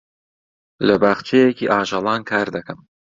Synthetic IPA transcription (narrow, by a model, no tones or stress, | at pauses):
lɐbaːχt͡ʃʰejekiːʔaːʒɑlˠɑːnkʰaːɾd̪ɐkɐm